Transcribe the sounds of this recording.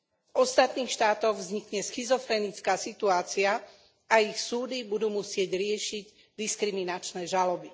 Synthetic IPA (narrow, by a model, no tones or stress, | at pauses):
ʔɔst̪at̪niːxʃt̪aːt̪ɔɣvzɲikɲɛsxizɔfɾɛnit͡skaːsit̪uaːt͡sia | aixsuːd̪ibud̪uːmusɪɛɟɾɪɛʃiɟ | d̪iskɾiminat͡ʃnɛːʒalɔbi